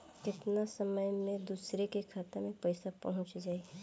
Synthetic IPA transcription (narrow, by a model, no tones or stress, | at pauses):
kɪt̪nasəməjmẽd̪uːsɾekekʰaːt̪amẽpɐɪsapɐ̰ɦʊ̃t͡ʃd͡ʒaːi